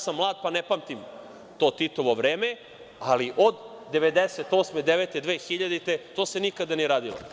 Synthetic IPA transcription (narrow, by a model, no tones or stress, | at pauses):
samːlˠaːd̪̚panepamt̪im | t̪o̞ːt̪it̪oʋo̞ʋɾeːme | aliʔod̪ːeʋed̪eset̪oːsmed̪eʋet̪ed̪ʋeːxiʎad̪it̪et̪oːsenikad̪anieɾaːd̪ilo̰